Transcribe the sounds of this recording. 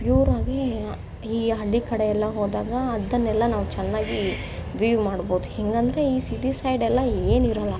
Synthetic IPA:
juːɾaːɡ̪e | iːɐɭːikɐɽeɛlːɐɦoːd̪aːɡɐːd̪ːɐnːɛlːɐnaːʋut͡ʃɛnːaːɡi | ʋiʋmaːɽbowd̪uhɛŋɡɐnd̪ɐɾe̞iːsiʈisɐjɖɛlːɐeːniɾɐlːɐ

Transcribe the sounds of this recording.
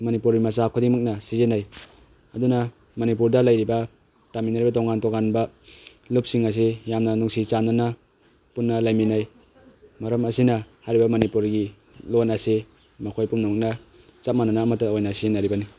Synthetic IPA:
mɐnipuɾɡimɐsakʰodiŋmɯk̚nɐsizenaj | ɐduna | mɐnip̬uɾdɐlajɾibɐ | taminaɾibɐtoŋantoŋanbɐ | lup̚siŋɐs̬ijamnɐnuŋsit͡ʃanana | punːɐlajminaj | mɐɾɐmɐsinɐhajɾibɐmɐnipuɾɡi | lonɐse | mɐkʰojpumnamɯk̚nɐ | t͡ʃap̚mananaːmɐtːaojnasinaɾibɐni

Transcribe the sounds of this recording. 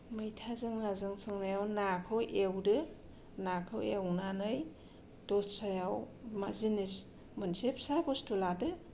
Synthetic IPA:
mɯjtʰazɯŋnazɯŋsɯŋnajawnakʰɯwʔewdɯ | nakʰɯwewnanɯj | d̥ɔssajaw | mazinis | mɯnsepsakɔstuladɯ

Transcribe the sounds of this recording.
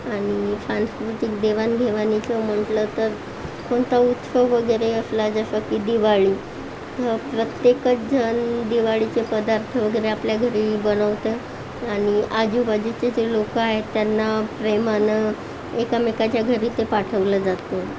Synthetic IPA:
aɽ̃isanskɾut̪ikd̪eʋanɡʱeʋanit͡səm̤əɳʈlət̪əɾ | koɳt̪aut̪səʋəɡəjɾeəslad͡zəɕəkiːd̪iʋaɭiː | t̪əpɾət̪jekət͡sd͡zənd̪iʋaɭit͡sepəd̪aɾt̪ʰəʋəɡəɾeapljaɡʱəɾiːbənəʋt̪e | aɽ̃iʔad͡ʑubad͡ʑit͡ɕed͡ʑelokəaɦet̪janːapɾemanə | ekamekat͡ɕjaɡʱəɾiːt̪epaʈʰəʋləːd͡zat̪o

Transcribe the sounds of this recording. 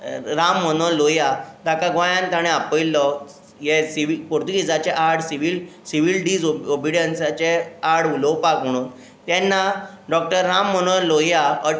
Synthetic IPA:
ɾamːəñɔlojad̪akaɡʋãjãnt̪aɽ̃eapəjlːɔ | jesiʋipoɾt̪uɡid͡zat͡ɕeʔaɽsiʋilsiʋilɖiːd͡zoobiɽənsat͡ɕeaɾɽulɔwpakm̤əɽ̃uːn | t̪ɛnːa | ɖɔk̚ʈəɾːamːəñəlojaə

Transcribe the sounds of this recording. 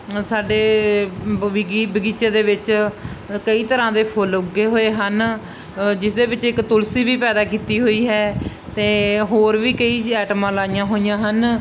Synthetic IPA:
saːɖeː | ɡibəɡiːt͡ʃeːd̪eːʋɪt͡ʃ | kəiːt̪əɾãːd̪eːpʰolʊɡːeːɦoːeːɦən | d͡ʒɪsd̪eːbɪt͡ʃɪkt̪ʊlsiːʋiːpɛːd̪aːkiːt̪iːɦoːiːɦɛː | t̪eːɦoːɾʋiːkəiːɛːʈəmãːlaːijãːɦoːɪjãːɦən

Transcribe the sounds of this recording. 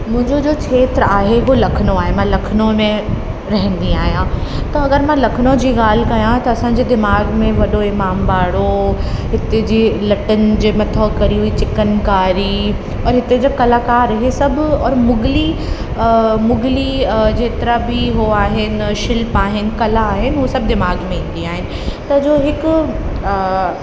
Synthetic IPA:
mʊ̃ɦɪ̃ɲd͡ʑod͡ʑoːt͡ɕʰeːt̪ɾaːɦeɦulɐkʰnoaːɦemãlɐkʰnõmẽ | ɾɐɦə̃nd̪iaːɦijãt̪ɐɐɡəɾmãlɐkʰnõd͡ʑiːɣaːl̤kɐjãt̪ɐɐsãːɲ̆d͡ʑeːd̪ɪmaːɡmẽʋɐɗoɪmaːmbaːɽoɦɪt̪ed͡ʑeːlɐʈənɪ̆d͡ʑeːmɐt̪ʰɔːkɐɾiuit͡ɕɪkənkaːɾi | ɔːɾɦɪt̪ed͡ʑokɐlaːkaːɾɦisɐbɔːɾmʊɡli | mʊɡlid͡ʑeːt̪ɪɾabʱiɦoaːɦɪnɪʃɪlpaːɦɪnɪ̆kɐlaːɦɪnɪɦusɐb̚d̪ɪmaːɡmẽĩːn̆d̪iaːɦɪnɪ̆t̪ɐd͡ʑoːɦɪkʊ

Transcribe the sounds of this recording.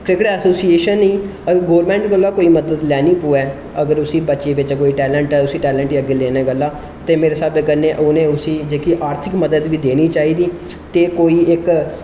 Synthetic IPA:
kɾɪkəʈɛːsoːsieːʃənːĩː | əɡəɾɡoːɾmɛ̃ːɳʈɡəlːaːkoːiːməd̪əd̪lɛːniːpoːɛː | əɡəɾʊsiːbətːʃeːʋɪt͡ʃkoːiːʈɛːlə̃ɳʈɛːʊsiːʈɛːlə̃ɳʈːəɡeːleːnɛːɡəlːaː | t̪eːmeːɾeːsabəkəɾnẽːʔoːnẽːʊsiːd͡ʒeːkiːʔaːɾt̪ʰɪkməd̪əd̪ʋiːd̪eːniːt͡ʃaːiːd̪iː | t̪eːkoːiːɪk

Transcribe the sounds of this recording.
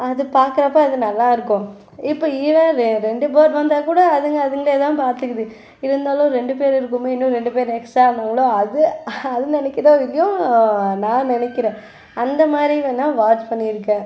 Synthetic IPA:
ɐðɯpaːɾkɐɾɐpːɐɐðɯnɐlːãːɪɾɯkːʊ̃ | ɪpːoːiʋɛ̃ɾɾɛɳɖɯpoːɾʋɐnd̪aːkuːɽɐːðɯŋɡɐɐðɯŋɡɐɭeːt̪ãːpaːɾt̪ɯkːɐðɯ | ɪɾɯnd̪aːlʊ̃ɾɛɳɖɯp̬eːɾɪɾɯk̬ːɯmeːɪnːʊ̃ɾɛɳɖɯpeːɾɛksaːnɐŋɡɐɭoɐðɯɐðɯnɪnɛkːɪɾoːɪlːɐjʊ̃nãːnɪnɛkːɪɾẽː | ɐnd̪ɐmaːd̪ɾiʋɐnːãːʋaːt͡ʃpɐɳːɪɪɾɯkːɛ̃ː

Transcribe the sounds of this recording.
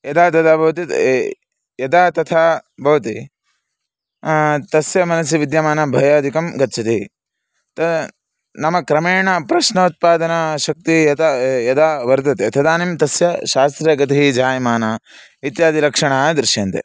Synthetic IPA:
jɐd̪aːt̪ɐt̪ʰabʱɐʋɐt̪i | jɐd̪aːt̪ɐt̪ʰaːbʱɐʋɐt̪i | t̪ɐsjɐmɐnɐs̬jiʋid̪jɐmaːnɐbʱɐjaːd̪ʱikɐmɡɐt̪ːt͡ʃʰɐt̪i | t̪ɐ | nɐmɐkɾɐmeːɳɐpɾɐʃnɐut̪̚paːd̪ɐnɐʃɐk̚t̪ijɐt̪ajɐd̪aːʋɐɾd̪ɐt̪et̪ʰɐd̪aːnimt̪ɐsjɐʃaːst̪ɾɐɡɐt̪iɦid͡ʒaːjɐmaːnɐ | it̪jaːd̪ʱilɐkʂɐɳaːd̪ɾɪʃjaːnt̪ḛ

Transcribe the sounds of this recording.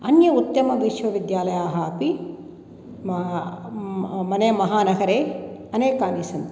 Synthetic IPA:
ɐnjɐut̪ːɐmɐʋiʃʋɐʋid̪jaːlɐjaːɦɐɐpi | m | mɐnɐjɐmɐɦaːnɐɡɐɾeːɐneːkaːnisɐnt̪

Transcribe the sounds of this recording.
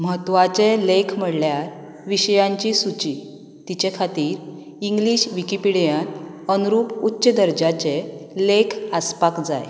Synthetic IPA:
məɦət̪ʋat͡selekʰm̤əɽljaɾ | ʋiɕəjãɲt͡ɕisut͡ɕi | t̪it͡ɕekʰat̪iːɾ | iŋɡliɕʋikipiɽjan | ənuɾuputːɕəd̪əɾd͡ʑat͡ɕelekʰaspakd͡za̰j

